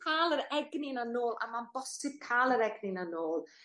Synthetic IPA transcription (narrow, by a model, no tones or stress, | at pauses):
kʰaːlˠəɾɛɡnɪnanoːlˠʔa̰manbɔsɪb̥̚kʰaːlˠəɾɛɡnɪnanoːlˠ